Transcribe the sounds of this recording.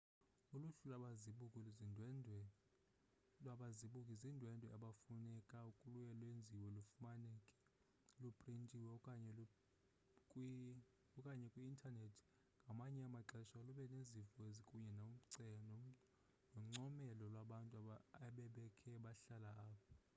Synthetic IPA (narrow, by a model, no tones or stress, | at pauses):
uluɬulaɓaziɓukʼiluzinʱɛ | lwaɓaziɓukʼizindʱwɛndʱwɛaɓafunɛkʼaukʼulujɛlwend͡zʱiwɛlufumanɛkʼɛ̥ | lupʼrintʼiwɛkʼaɲɛ | kʼ | ɔkʼaɲɛkʼwiːntʼʰanetʰi̥ | ŋɡʱamaɲɛamaǁɛʃaluɓɛnezifɔezikʼuɲɛnaum̩ǀɛnɔ | nɔŋ͡ǀɔmɛlɔlwaɓantʼuaaɓɛɓɛkʰɛɓaɬalaaːpʰɔ